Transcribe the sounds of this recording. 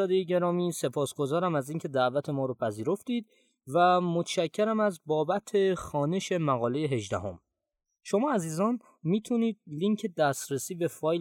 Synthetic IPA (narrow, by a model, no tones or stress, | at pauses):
ɒːd̪ejeɟe̞ɾɒːmiːse̞pʰɒːsɡ̥o̞zɒːɾæmæziːŋcʰe̞d̪æʔvæt̪ʰe̞mɒːɾɔːpʰæziːɾo̞ft̪iːd̪̚ | væmot̪ʰʃæcʰːeɾæmæzbɒːbæt̪ʰe̞xɒːne̞ʃe̞mæɣɒːle̞jeɦe̞ʒd̪æ̰ho̞̰m | ʃo̞mɒːæziːzɒːn | miːt̪ʰuniːd̪̚liŋcʰe̞d̪æst̪ɾesiːbe̞fɒːj